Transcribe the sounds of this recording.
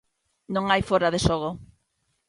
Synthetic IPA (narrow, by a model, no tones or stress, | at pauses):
nõŋajfoɾaðeʃoɣo